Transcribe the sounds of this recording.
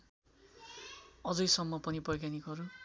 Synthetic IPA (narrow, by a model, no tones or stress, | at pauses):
ʌd͡zʌjsʌmːʌpʌnibʌjkanikɦʌɾu